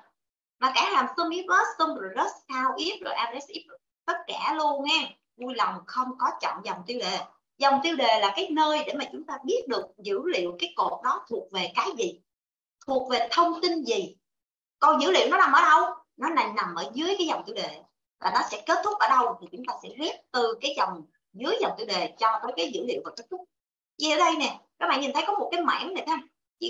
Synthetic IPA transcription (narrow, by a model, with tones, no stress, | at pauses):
maː˨˩kaː˧˨˦laː˨˩msə˧mʔi˦˥t̚ləː˦˥t̚sə˧mzo˨˩jzə˦˥t̚taː˧wʔi˦˥əp̚zo˨˩jʔaː˧mɗe˧˩˦sʔi˦˥ɗɨ˨˩ | t̪ə˦˥t̚kaː˧˩lu˧ənʔɛː˧ | vu˧jlɔ˨˩wŋ͡mxə˧wŋ͡mkɔ˨˦t͡ɕɔ̰˧˨ŋ͡mzɔ˨˩wŋ͡mt̪i˧əwɗe˨˩ | zɔ˨˩wŋ͡mt̪i˧wɗe˨˩laː˨˩kaː˨˦jnəː˧jɗe˧˩maː˨˩t͡ɕʊ˨˦ŋ͡mt̪aː˧ɓi˦˥ət̚ɗɨ˨˩ək̚zɨ̰˧˩˥lḭ˧˨əwkaː˨˦jko˨˩t̚ɗɔ˨˦t̪ʰu˨˩ək̚ve˨˩kaː˨˦jzi˨˩˨ | t̪ʰu˨˩ək̚ve˨˩t̪ʰə˧wŋ͡mt̪i˧nzi˨˩ | kɔ˨˩nzɨ̰˧˥lḭ˧˨əwnɔ˨˦na˨˩mʔəː˧˩˦ɗə˧w | nɔ˨˦na˨˩jna˨˩mʔəː˧˩zɨ˨˦əjkaː˨˦jza˨˩wŋ͡mt̪i˧wɗe˨˩ | laː˨˩nɔ˨˦sɛ̰˧˥ke˦˥t̚t̪ʰʊ˦˥k͡p̚ʔəː˧˩ɗə˧wt̪ʰi˨˩t͡ɕʊ˨˦ŋ͡mt̪aː˧sɛ̰˧˥zi˦˥ət̚t̪ɨ˨˩kaː˨˦jzɔ˨˩wŋ͡m | zɨ˨˦əjza˨˩wŋ͡mt̪i˧wɗe˨˩t͡ɕɔ˧t̪o˨˦jkaː˨˦jzɨ̰˧˥lḭ˧˨əwvaː˨˩ke˦˥t̚t̪ʰʊ˦˥k͡p̚ | ḭ˧˩˨ʔəː˧˦ɗə˧jnɛ˨˩ɗɔ˨˦ma̰˧˨ŋɲi˨˩nt̪ʰə˨˦jkɔ˨˦mo˨˩t̚kaː˨˦jma̰ː˧˥nnɛ˨˩t̪ː | t͡ɕḭ˧˨